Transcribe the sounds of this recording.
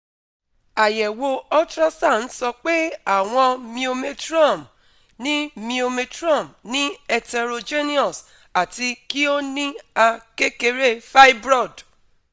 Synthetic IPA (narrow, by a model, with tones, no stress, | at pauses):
a˨jɛ˨wo˧ɔ˦tɾɔ˦sa˦˨n̩˦sɔ˧k͡pe˦a˦˨w̃ɔ̃˧mĩ˧o˧me˧tɾa˦˨m | nĩ˦mĩ˧o˧me˧tɾɔ˦˨mnĩ˦ɛ˧tɛ˧ɾo˧d͡ʒe˦ni˦ɔ˨s | a˨ti˧ki˦o˦nĩ˦a˧ke˦ke˧ɾe˦fa˦i˦bɾɔ˦˨d